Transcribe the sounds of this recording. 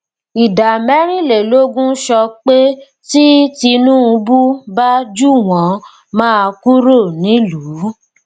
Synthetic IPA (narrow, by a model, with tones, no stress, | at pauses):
i˨da˨mɛ˨˦ɾ̃ĩ˦˨le˨lo˦ɡũ˦ʃɔ˧k͡pe˦ | ti˦ti˧nũ˦ũ˧bu˦ba˦d͡ʒu˦w̃ɔ̃˨˦ | mãː˦˧ku˦ɾo˦˨nĩ˨˦lu˨˦